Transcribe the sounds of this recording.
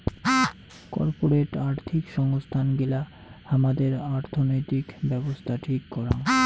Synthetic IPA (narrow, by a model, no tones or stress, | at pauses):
kɔ̰ɾpoɾeʈaɾt̪ʰikʃɔŋost̪ʰanɡila | amad̪eɾaɾt̪ʰonojt̪ikbɛbost̪ʰaʈʰikːɔɾan